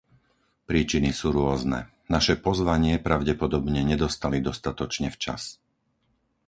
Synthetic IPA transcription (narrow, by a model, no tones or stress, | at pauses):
pɾiːt͡ʃinisuːɾʊɔznɛ̰ | naʃɛpɔzʋaɲɪɛpɾaʊɟɛpɔd̪ɔbɲɛɲɛd̪ɔst̪alid̪ɔst̪at̪ɔt͡ʃɲɛft͡ʃa̰s